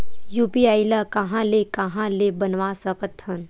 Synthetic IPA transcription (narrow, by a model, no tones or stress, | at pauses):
juːpiaːjlakɐɦãlekɐɦãlebɐnʋaːsəkət̪ʰːən